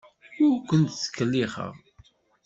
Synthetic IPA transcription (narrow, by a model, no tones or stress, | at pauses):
ʊɾkʷənt̪θə̥kːəlːiχə̰ʁ